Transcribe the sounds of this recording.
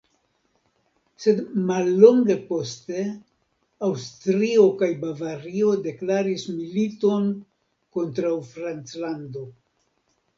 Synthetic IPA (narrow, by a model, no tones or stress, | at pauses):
se̞dmalːo̞ŋɡe̞po̞ste̞ | awstɾio̞kajbavaɾio̞de̞klaɾismilito̞n | ko̞ntɾawfɾant͡slando̞